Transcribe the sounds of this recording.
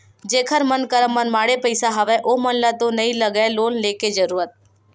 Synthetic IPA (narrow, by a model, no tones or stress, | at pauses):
d͡ʒeːkʰəɾmənkəɾəmːənmaːɽepəɪsaɦəʋɛʔomənlat̪õnəĩləɡɛloːnleːked͡ʒəɾuːɾət̪̚